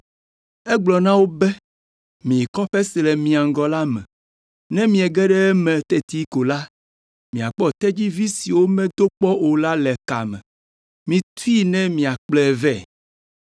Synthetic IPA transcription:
ɛ˦ɡ͡blɔ˨nã˦wo˦bɛ˦ | mĩ˨kɔ˦ɸɛ˦si˨lɛ˨mĩ˨a˨ŋ˨ɡɔ˨la˦mɛ̰̃˨ | nɛ̃˦mĩ˨ɛ˨ɡɛ˦ɖɛ˦ɛ˦mɛ̃˨t̪ɛ˦t̪i˦ko˨la˦ | mĩ˨a˨k͡pɔ˦t̪ɛ˦d͡ʑi˦vi˦si˨wo˦mɛ̃˦d̪o˦k͡pɔ˦ʔo˨la˦lɛ˨ka̰˨mɛ̰̃˨ | mĩ˨t̪u˦i˦nɛ̃˦mĩ˨a˨k͡plɛ˦˨vɛ˦˨

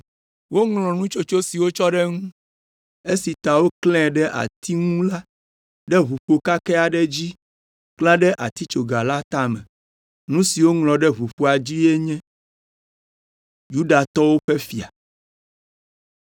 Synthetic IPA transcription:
wo˦ŋlɔ̃˨nũ˦t͡ʃo˦t͡ʃo˦si˨wo˦t͡ʃɔ˦ɖɛ˦ŋũ˦ | e˦si˨t̪a˨wo˦klɛ̃˦ɖɛ˦ʔa̰˨t̪ʰi˦ŋũ˦la˦ | ɖɛ˦βu˨ɸo˨ka˦kɛ˦a˨ɖɛ˦d͡ʑi˦ | klã˦ɖɛ˦ʔa˨t̪i˦t͡ʃo˨ɡa˨la˦t̪a˦mɛ̃˨ | nũ˦si˨wo˦ŋlɔ̃˨ɖɛ˦βu˨ɸu˦a˨d͡ʑi˦ɛ˦ɲɛ̃˦ | ju˦ɖa˨t̪ɔ˦wo˦ɸe˦fi˨a̰˨

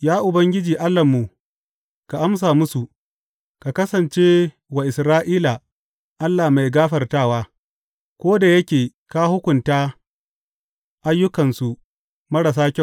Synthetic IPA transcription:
jaː˦ʔʊ˨bɐ˦ŋɡʲɪ˦d͡ʒiː˨ʔa˦lːɐ˨mːu˨ | ka˨ʔa˦ms̬aː˨mʊ˦su˨ | ka˨kɐ˦sɐ˨nt͡ʃe˦ | wa˨ʔɪ˨sɾaː˦ʔiː˦la˨ | ʔa˦lːaː˨ma˨jɡaː˦ɸɐ˨rtaː˦˨waː˦ | kʷoː˦da˨jɐ˦kʲeː˨ | ka˦hʊ˦kʷʊ˨ntaː˦ | ʔa˦jːʊ˦kɐ˨nsu˨ | mɐ˦ɽɐ˨s̬aː˦kʲɐ˦˨

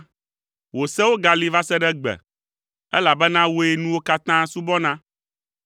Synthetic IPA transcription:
wo˨sɛ˦wo˦ɡa˨li˨va˦sɛ˦ɖɛ˦ɡ͡bɛ̰˨ | ɛ˦la˨bɛ˦nã˦wo˦e˦nũ˦wo˦ka˦t̪ã˦su˦bɔ˦nã˦

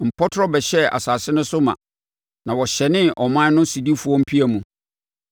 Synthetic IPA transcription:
m̩˨pʰɔ˦tʰʊ˦ɾɔ˦bɛ˨ɕɛ˦a̰˨saː˨sɪ˦nʊ̃˦sʊ˦mã̰˨ | nã˨wɔ˨ɕɛ˨nɪ̃˦ʔɔ˨mã˦nʊ̃˦si˨di˦fu˨˦ɔ̃˦m̩˦pʰi˦æ˨mũ˨

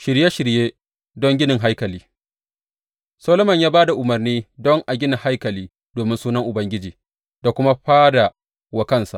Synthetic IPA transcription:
ʃɪ˨ɾje˦ʃɪ˨ɾjeː˦ | dɔ˦ŋɡʲɪ˦nɪ˨ŋɦa˦jkɐ˨liː˦ | soː˦lo˦mɐ˨ɲjaː˦baː˦da˨ʔʊ˨mɐ˨rniː˦dɔ˦ŋʔa˨ɡʲɪ˦nɪ˨ha˦jkɐ˨liː˦ | d̥oː˨mɪ˦nsuː˦nɐ˦ŋʔʊ˨bɐ˦ŋɡʲɪ˦d͡ʒiː˨ | da˨kʷʊ˦ma˦ɸaː˦da˨ | wɐ˨kɐ˦nsa̰˨ʔ

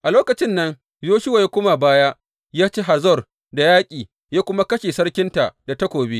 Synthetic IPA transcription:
ʔa˨loː˦kɐ˨t͡ʃɪ˦nːɐ˦ŋ | joː˦ʃɪ˦wa˨jaː˦kʷʊ˦ma˨baː˦ja˦ | jaː˦t͡ʃeː˦ɦa˨zɔ˦˨r | da˨jaː˦kʲʼiː˨ | jaː˦kʷʊ˦ma˦kɐ˦ʃe˨sɐ˦ɽkʲɪ˦nta˨da˨tɐ˦kʷoː˨beː˦

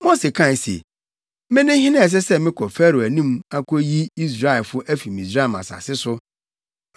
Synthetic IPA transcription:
mo˦se˨kʰã˦˨n˨sḛ˨ | mɪ̃˦nɪ̃˦hɪ˦nã˦˨s̬ɛ˦sɛ˦mɪ̃˦kʰɔ˨fæ˦ɾu˨æ˨nĩ˦ma˦kʰɔ˦ji˦i˦s̬ɾa˦ɪ˨fʊ˦ʔæ˦fi˨mĩ˨s̬ɾa˦˨mã̰˨sa̰˨sɪ˦sʊ˦

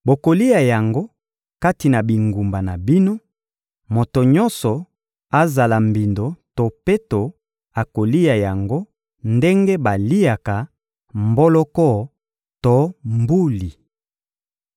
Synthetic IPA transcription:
bo˨ko˨li˦a˨ja˨ŋɡo˦ | ka˦ti˨na˨bi˨ŋɡu˨mba˨na˨bi˦no˦ | mo˨to˨ɲɔ˦nsɔ˨ | a˦za˨la˨mbi˨ndo˨to˨pe˦to˨ | a˨ko˨li˦ja˨ja˨ŋɡo˦ | nde˦ŋɡe˦ba˨li˦a˨ka˨ | mbo˦lɔ˦kɔ˦˨ | to˦mbu˦li˨

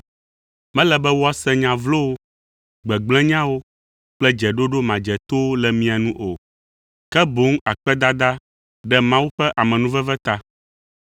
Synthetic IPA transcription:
mɛ̃˦lɛ˨bɛ˦wo˦a˦sɛ̃˦ɲã˨vlo˦wo˦ | ɡ͡bɛ˨ɡ͡blɛ̃˦ɲã˦wo˦ | k͡plɛ˦d͡ʒɛ˨ɖo˦ɖo˦mã˨d͡ʒɛ˨t̪o˦lɛ˨mĩ˦a˨nũ˦ʔo˨ | kɛ˦bo˨˦ŋ˦a˨k͡pɛ˦d̪a˦d̪a˦ | ɖɛ˦mã˦wu˦ɸɛ˦ʔa˨mɛ̃˨nũ˦vɛ˦vɛ˦t̪a˦

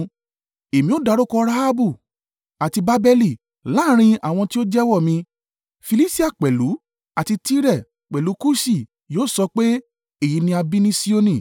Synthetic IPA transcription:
e˨mĩ˧˦o˦da˧ɾo˦kɔ˧ɾa˦ha˦bu˦˨ | a˨ti˧ba˦bɛ˧li˦˨ | laː˦ɾ̃ĩ˧a̰˨w̃ɔ̃˧ti˦o˦d͡ʒɛ˦wɔ˦˨mĩ˧ | fi˧li˦si˦a˦˨k͡pɛ˨lu˨˦ | a˨ti˧ti˦ɾɛ˦˨ | k͡pɛ˨lu˨˦ku˦si˦˨ | joː˦˨sɔ˧k͡pe˦ | e˦˨ji˨˧˦nĩ˧a˧bi˦nĩ˦si˦o˦nĩ˦˨

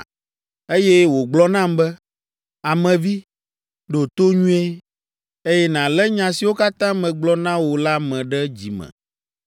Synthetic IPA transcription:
e˦jɛ˦wo˨ɡ͡blɔ˦nã˦mbɛ˦ | a˨mɛ̃˨vi˦ | ɖo˨t̪o˦ɲũ˦e˦ | e˦jɛ˦nã˨lɛ˦ɲã˨si˨wo˦ka˦t̪ã˦mɛ̃˨ɡ͡blɔ˦nã˦wo˨la˦mɛ̃˨ɖɛ˦d͡ʑi˨mɛ̰̃˨

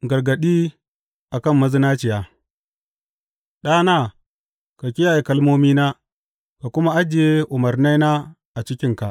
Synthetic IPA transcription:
ɡɐ˨ɾɡɐ˨ɗiː˦ | ʔa˨kɐ˦˨mːɐ˦zi˦na˦t͡ʃɪ˨ja˨ | ɗaː˦na˦˨ | ka˨kʲɪ˦ja˨ji˨kɐ˦lmoː˦miː˦na˦ | ka˨kʊ˦ma˦ʔa˦d͡ʒɪ˨je˦ʔʊ˨mɐ˨ɾna˦jna˦ | ʔa˨t͡ʃɪ˦kʲɪ˦ŋka˨ʔ

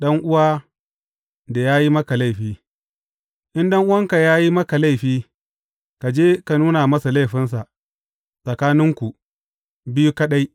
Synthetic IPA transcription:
ɗɐ˦ŋʔʊ˦waː˦ | da˨jaː˦ji˦mɐ˦ka˨la˦˨ɸiː˦ | ʔɪ˦nɗɐ˦ŋʔʊ˦wɐ˦ŋka˨jaː˦ji˦mɐ˦ka˨la˦˨jɸiː˦ | ka˨d͡ʒeː˦ka˨nuː˦na˨mɐ˦sa˨la˦˨jɸɪ˦ns̬a˨ʔ | sʼɐ˨kaː˦nɪ˦ŋkʷu˨ | bɪ˦ju˦ka˦ɗa˦j

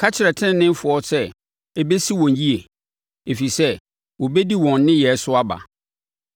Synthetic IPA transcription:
kʰa˦t͡ɕʰɪ˨ɾɛ˨tʰɪ̃˦˨˦nɪ̃˦m˦fʊ˨ɔ˦sɛ˦ | ɛ˦be˦si˦wɔ̃˨nji˦e˨ | e˨fi˨sɛ˦ | wɔ˨bɛ˦di˦wɔ̃˨nː˦ɪ̃˦jɛ˨˦sʊ˦a˦ba̰˨

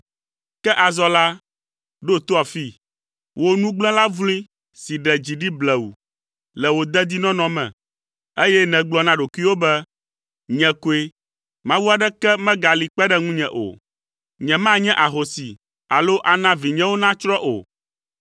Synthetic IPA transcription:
kɛ˦ʔa˨zɔ˦la˦ | ɖo˦t̪o˦a˨fi˦ | wo˦nũ˦ɡ͡blɛ̃˦la˦vlĩ˦ | si˨ɖɛ˨d͡ʑi˨ɖi˦blɛ˨u˨ | lɛ˨wo˦d̪ɛ˦d̪i˦nɔ̃˦nɔ̃˦mɛ̰̃˨ | e˦jɛ˦nɛ̃˨ɡ͡blɔ˨nã˦ɖo˨kʷi˦wo˦bɛ˦ | ɲɛ̃˨ko˦e˦ | mã˦vu˦a˨ɖɛ˦kɛ˦mɛ̃˦ɡa˨li˨k͡pɛ˦ɖɛ˦ŋũ˦ɲɛ̰̃˨ʔo̰˨ | ɲɛ̃˨mã˦ɲɛ̃˦ʔa˨ɦo˨si˨ | a˨lo˦ʔa˨nã˦vi˨ɲɛ̃˦wo˦nã˦t͡ʃɾɔ˦ʔo̰˨

